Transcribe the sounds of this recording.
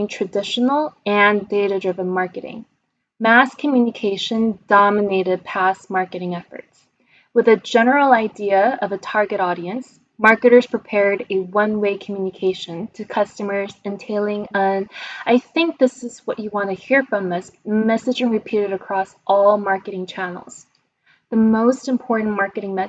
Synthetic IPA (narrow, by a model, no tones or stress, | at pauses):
ŋtʰɹ̥ɨdɪʃn̩l̩ˠɨ̃ndeɪɾɨdɹɪvə̃nmɑɹkɨɾɪ̰̃ŋ | mæskʰɨmjʉnɨkʰeɪʃɨ̃nd̥ɑmɨneɪɾɨd̚pʰæsmɑɹkɨɾɪ̃ŋɛfə̰˞ts | wɨðɨd͡ʒɛnə˞l̩ˠaɪdiɨʌvɨtʰɑɹɡɨɾɔɾiɨ̃ns | mɑɹkɨɾə˞z̥pʰɹ̥ipʰɛɹɾɨwʌ̃nweɪkʰm̩jʉnɨkʰeɪʃɨ̃ntʰɨkʰʌstɨmə˞zɨ̃ntʰeɪlˠɪ̃ŋə̃naɪθɪ̃ŋk̚ðɪsɨzwʌt͡ʃɨwɑ̃ntɨhiɹfɹʌ̃mɪsmɛsɨd͡ʒɨ̃ŋɹɨpʰiɾɨɾɨkʰɹ̥ɔsʔɔlˠmɑɹkɨɾɪ̃ŋt͡ʃʰænl̩ˠz̥ | ðɨmoʊstɨ̃mpʰɔɹʔn̩mɑɹkɨɾɪ̃ŋmɛ